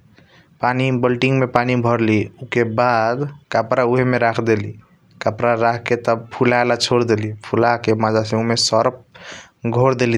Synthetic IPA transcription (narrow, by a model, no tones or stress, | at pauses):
panibəlʈiŋɡmepanibʱəɾliukebad̪kapɾauɦemeɾakʰd̪eli | kapɾaɾakʰket̪əbpʰulalat͡ʃʰoɽd̪elipʰulakemad͡ʒasẽumesəɾp̚ | ɡʱoɾd̪eli